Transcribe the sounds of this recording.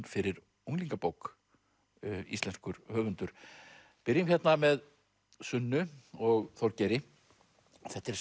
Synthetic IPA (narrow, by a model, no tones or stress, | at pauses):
nfɪɾɪɾ | uwŋliŋkapowk | ḭst̪lɛnskʏɾ̥hœːvʏnt̪ʏɾ̥ | pɪɾjʏmçjɛt̪namɛð | sʏnːʏɔɣθɔɾcɛɾɪ | θɛht̪ːɛɾ